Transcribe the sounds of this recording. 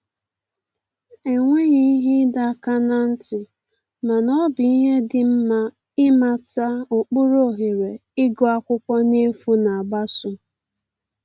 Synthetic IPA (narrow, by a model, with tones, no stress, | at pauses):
e˨ŋʷe˦ɣi˦i˦ɦɪ˦da˦˨ka˦na˦n̩˦tɪ˨ | ma˨nɔ˦bɪ˨i˦ɦe˦dɪ˨˦ | ɪ˦ma˨ta˦ʊ˨k͡pʊ˦ɾo˦ɦe˨ɾe˨ɪ˦ɡɔ˦a˦kʷʊ˦kʷɔ˦ne˦fu˦na˨a˨ɡ͡ba˦sʊ˨˦